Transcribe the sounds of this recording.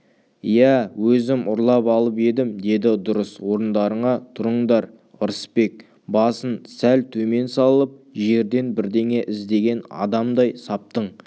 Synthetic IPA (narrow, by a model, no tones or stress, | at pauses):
jæwɵzɪmʔʊɾlˠɑpɑlˠəp̬e̞d̪ɪmd̪e̞d̪ɪd̪ʊɾəswo̞ɾənd̪ɑɾəɴɑt̪ʰʊɾəɴd̪ɑɾ | ʊɾəspe̞k̚ | bɑsənsælt̪ʰɵme̞nsɑllˠəp̚ʒe̞ɾd̪e̞nbɪɾd̪e̞ŋe̞ʔɪzd̪e̞ɡʲe̞nɑ̰d̪ɑmd̪ɑjsɑp̚t̪əɴ